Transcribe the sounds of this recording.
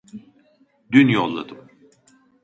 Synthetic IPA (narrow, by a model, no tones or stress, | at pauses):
d̪ynjolˠːa̰d̪ɯm